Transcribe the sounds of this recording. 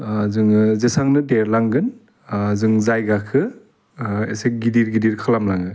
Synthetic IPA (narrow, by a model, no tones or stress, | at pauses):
zɯŋzesaŋnɯdeɾlaŋɡɯn | zɯŋzajɡakʰɯ | ḛseɡidiɾɡidiɾkʰɯlamlaŋɯ